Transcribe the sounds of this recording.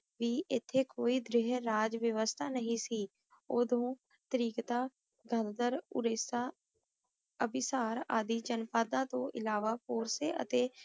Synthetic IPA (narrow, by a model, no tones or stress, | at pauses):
ʋiːʔɪt̪ʰːeːkoːiːd̪ɾɪɦɾaːd͡ʒʋjəʋəst̪ʰaːnəɦĩːsiː | ʊd̪õː | t̪əɾiːkt̪aː | ɡənd̪əɾʊɾesaː | əbɪsaːɾa̰ːd̪iːd͡ʒənpaːd̪ãːt̪õːʔɪ̰laːʋaːpoːɾseːʔə̰t̪eː